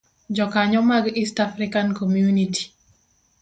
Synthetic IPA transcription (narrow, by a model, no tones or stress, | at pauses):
d͡ʒɔkaɲɔmaɡistafɾɪkankɔmjuniti̥